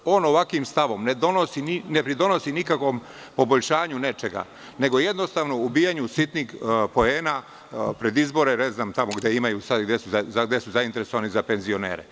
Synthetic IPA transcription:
o̞ːno̞ʋakʋimst̪aʋo̞mned̪onosininepɾid̪o̞no̞sinikakʋo̞m | po̞bo̞ʎʃaːɲune̞t͡ʃe̞ɡa̰ | ne̞ɡo̞je̞d̪no̞st̪aʋnoubiːjaɲusit̪niɡpo̞eːna | pɾe̞d̪izbo̞ɾeneznaːmt̪amoɡd̪jeimajuːsad̪ɡd̪jesuzaaɡd̪jesuzaint̪eɾeso̞ʋanizape̞nzio̞nḛːɾḛ

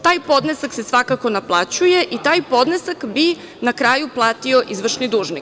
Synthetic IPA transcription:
t̪aːjpo̞d̪nesaksesʋakako̞naplˠat͡ɕuje̞ʔit̪aːjpo̞d̪nesakbi | nakɾaːjuplˠaːt̪io̞ʔizʋr̩ʃnid̪uːʒnik

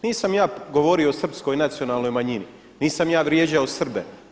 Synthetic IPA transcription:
niːsamjaːɡoʋoːɾioosr̩psko̞jnat̪sio̞naːlno̞jmaɲini | niːsamjaːʋɾjeːd͡ʑaosr̩be

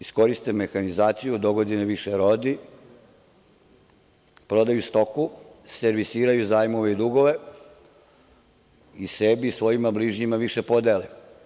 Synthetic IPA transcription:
isko̞ɾist̪emexanizaːt̪sijud̪o̞ɡo̞d̪ineʋiʃeɾod̪i | pɾo̞d̪ajust̪o̞kuse̞ɾʋisiːɾajuzaːjmo̞ʋeid̪uɡo̞ʋe̞ | isebisʋo̞jimabliʒɲimaʋiʃepo̞d̪ele

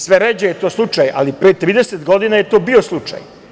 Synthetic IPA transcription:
sʋeɾed͡ʑejet̪o̞ːslˠut͡ʂajʔa̰lipɾeːt̪ɾiːd̪eset̪ɡo̞d̪inaje̞t̪o̞ːbioslˠut͡ʂa̰j

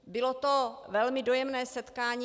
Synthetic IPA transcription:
bɪlot̪ovɛlmɪdojɛmnɛːsɛt̪kaːɲi

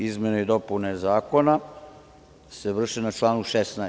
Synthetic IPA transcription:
izme̞noid̪o̞punezaːko̞na | seʋr̩ʃenat͡ʃlˠaːnuʃesna

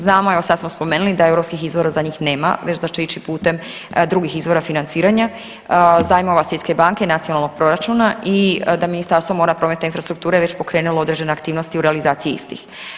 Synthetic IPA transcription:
znaːmoeʋosad̪smospo̞meːnulid̪aewɾo̞pskixizʋo̞ɾazaɲiːxne̞ːma̰ʋe̞t͡ɕzat͡ʃiit͡ɕipuːt̪e̞md̪ɾuɡixizʋo̞ɾafinant̪siːɾaɲa | zaːjmo̞ʋasʋjet̪ke̞baŋke̞inat̪sio̞nalˠno̞ɡ̚pɾo̞ɾat͡ʃuːnaʔid̪aminist̪aɾst̪ʋo̞mo̞ːɾapɾome̞t̪ainfɾast̪ɾukt̪uːɾeʋe̞t͡ɕpo̞kɾe̞ːnulˠoo̞d̪ɾe̞d͡ʑd͡ʒe̞neakt̪iːʋnost̪iuɾealizaːt̪sijiḭst̪ḭx

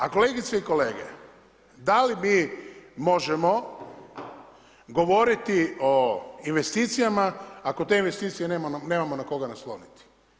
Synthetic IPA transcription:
ako̞le̞ɡit̪seiko̞le̞ːɡḛ | d̪alimiːmo̞ʒemo̞ | ɡo̞ʋo̞ɾit̪ioinʋe̞st̪iːt̪sijamaako̞t̪e̞inʋe̞st̪iːt̪sijenemane̞ːmamo̞nako̞ɡanaslˠo̞̰nit̪i̥

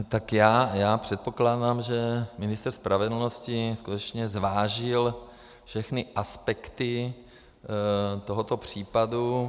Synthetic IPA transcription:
t̪akjaːjaːpr̝̥ɛt̪̚po̞klaːdamʒɛmɪnɪst̪r̩spɾʔavɛdl̩noscɪskut̪ɛt͡ʃɲɛzvaːʒɪl | fʃɛxnɪʔaspɛkt̪ɪ | t̪oɦot̪opr̝̥iːpadu

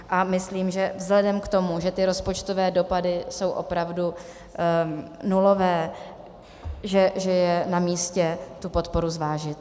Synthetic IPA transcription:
ʔamɪsliːmʒɛvzlɛdɛmkt̪o̞muʒɛt̪ɪɾo̞spo̞t͡ʃt̪o̞vɛːdo̞padɪso̞wʔo̞̰pɾavdu | nulo̞vɛː | ʒɛʒɛjɛnamiːscɛt̪upo̞t̪po̞ɾuzvaːʒɪt̪

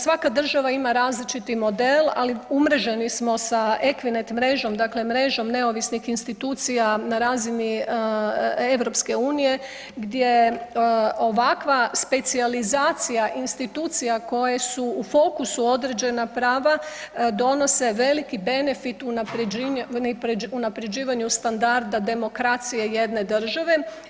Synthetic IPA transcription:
sʋakad̪r̩ʒaʋaimaɾaːzlit͡ʃit̪imo̞d̪e̞la̰liumɾeʒe̞nismo̞saʔe̞kʋine̞t̪mɾe̞ʒo̞md̪akle̞mɾe̞ʒo̞mne̞o̞ʋisnixinst̪it̪uːt̪sijanaɾaːzini | e̞ʋɾo̞pske̞uːnije̞ | ɡd̪je̞ | o̞ʋakʋaspe̞t̪sializaːt̪sijaʔinst̪it̪uːt̪sijako̞jesuufo̞kusuo̞d̪ɾe̞d͡ʒe̞napɾaːʋad̪o̞no̞se̞ʋe̞likibe̞ne̞fit̪unapɾnpɾunapɾe̞d͡ʑiːʋaɲust̪and̪aɾd̪ad̪e̞mo̞kɾat̪sije̞je̞d̪ne̞d̪r̩ʒaʋe̞

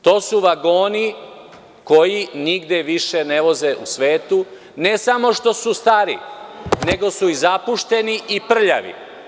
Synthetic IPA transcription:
t̪o̞ːsuʋaɡo̞ːni | ko̞jiniɡd̪jeʋiʃe̞ne̞ʋo̞ze̞ʔusʋe̞ːt̪u | ne̞samo̞ʃt̪o̞sust̪aɾḭne̞ɡo̞suizapuʃt̪e̞niʔipr̩ʎa̰ʋḭ

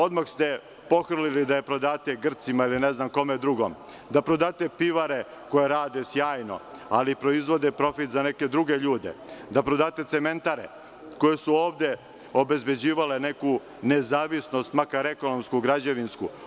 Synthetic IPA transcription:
o̞d̪maxst̪e | po̞xr̩lilid̪aje̞pɾo̞d̪aːt̪eɡr̩t̪simailineznamko̞med̪ɾuɡo̰m | d̪apɾod̪aːt̪e̞piʋaɾe̞ | ko̞jeɾaːd̪esjaːjno̞̰alipɾo̞izʋo̞d̪epɾo̞fit̪zane̞ke̞d̪ɾuɡe̞ʎuːd̪e̞̰d̪apɾod̪aːt̪e̞t̪seme̞nt̪aɾe̞̰ | ko̞je̞suo̞ːʋd̪e̞ | o̞be̞zbe̞d͡ʑiːʋale̞ne̞ku | ne̞zaːʋisno̞st̪makaɾe̞ko̞nomskuɡɾad͡ʑeʋinsku

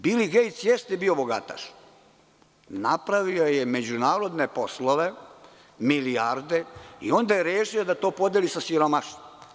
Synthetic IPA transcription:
biːliɡejt̪sjest̪ebio̞boɡa̰t̪a̰ʃ | napɾaʋiojeme̞d͡ʑunaːɾo̞d̪nepo̞slˠoʋe | miliaɾd̪eḭo̞nd̪ajeɾeːʃiod̪at̪o̞ːpo̞d̪jelisasiɾomaʃt̪om

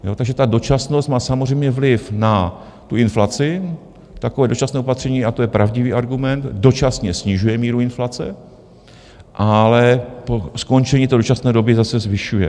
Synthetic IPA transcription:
jo̞ːt̪aɡʒɛt̪ado̞t͡ʃasnost̪maːsamor̝ɛjmɲɛvlɪfna | t̪uʔɪnflat͡sɪ | t̪akovɛːdo̞t͡ʃasnɛːopat̪r̥ɛɲiːat̪ojɛpɾʔavɟɪviːʔaɾɡumɛnt̪do̞t͡ʃasɲɛsɲɪʒujɛmiːɾuɪnflat͡sɛ̰ | ʔalɛposko̞nt͡ʃɛɲiːt̪ɛːdot͡ʃasnɛːdo̞bɪzasɛzvɪʃujɛ̰

